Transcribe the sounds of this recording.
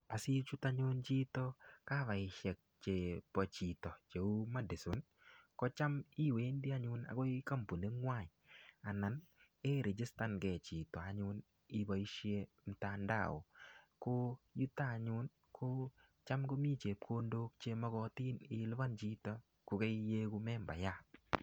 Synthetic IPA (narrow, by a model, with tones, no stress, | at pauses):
a˨si˦t͡ʃu˦ta˦ɲʊ˦nt͡ʃi˦tɔ˦ka˦βa˨ɪ˨ʃɛ˨k̚t͡ʃe˨pɔ˨t͡ʃi˨tɔ˨t͡ʃe˨u˦ma˦dɪ˨sʊ˨˦n | kɔ˦t͡ʃa˦mi˦we˨˦ndi˦a˦ɲʊ˦na̰˨kɔ˦ɪ˦ka˦mpu˨ne˦ŋwa˦˨ɲ˨a˨na˨n | e˦ɾe˨d͡ʒɪ˦sta˦nɡɛ˨t͡ʃi˨tɔ˨a˨ɲʊ˧n | ɪ˦ba˨i˦ʃje˦ | m̩˨ta˦nda̰˦˨o̰˨kʊ˦ju˦taː˦˨ɲʊ˦n | kʰʊ˦ | t͡ʃa˦mko˦mi˦t͡ʃe˨p̚kʰo˦ndo˦k̚t͡ʃe˦ma˦ɡɔ˦ti˦nɪ˨lba˦nt͡ʃi˦tɔ˦ | kʊ˨ke˦je˦kʊ˦mɛ˦mba̰˨ja˦˨